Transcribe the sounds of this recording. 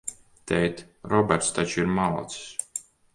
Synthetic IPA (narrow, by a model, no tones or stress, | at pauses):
t̪ɛjt̪ | ɾɔbɛɾt̪st̪at͡ʃiɾmalˠt̪ss